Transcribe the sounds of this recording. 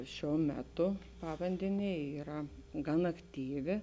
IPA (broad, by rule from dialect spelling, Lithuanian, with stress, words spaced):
ˈʃʲuɔ ˈmʲæːˌtʊ ˈpɑːʋɐnʲdʲɛnʲeː ˈiːrɐ ɡɐn ɐkˈtʲiːʋʲɪ